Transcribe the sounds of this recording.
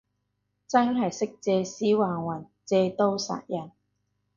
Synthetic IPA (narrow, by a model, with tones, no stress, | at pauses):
t͡sɐ˥nɦɐ˨jsɪ˥k̚t͡sɛː˧siː˨˥waː˨˩ŋwɐ˨˩n | t͡sɛː˧t̪o˥wsa̰ː˨˩t̚jɐ˨˩n